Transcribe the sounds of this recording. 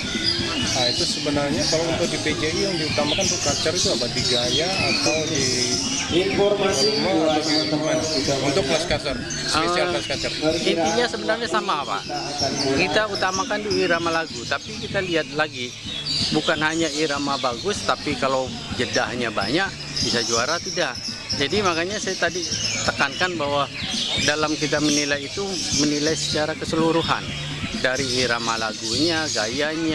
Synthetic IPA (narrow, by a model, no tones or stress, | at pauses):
ait̪usəbənarɲakalaunt̪ʊk̚diped͡ʒeijaŋdiut̪amakanut̪ʊkkasəɾit̪uapadiɡajaːt̪awdi | ifɔrmasiunt̪ʊk̚diut̪ukanunt̪ʊk̚plaskasər | əsalaskasərint̪iɲasəbənarɲasamapa̰ʔ | kit̪aut̪amakand̪uiɾamalaɡut̪apikit̪aliɦat̪̚laɡi | bukanɦaɲaiɾamabaɡʊst̪apikalaw | d͡ʒədaɦɲaba̰ɲaʔ | bisad͡ʒuaɾat̪idaʔ | d͡ʒadimakaɲasajat̪adit̪əkankanbawadalamkit̪amənilajːt̪umənilajsə̥t͡ʃaɾakəsəluɾuɦa̰n | daɾihiɾama̰la̰ɡuɲaɡajaɲa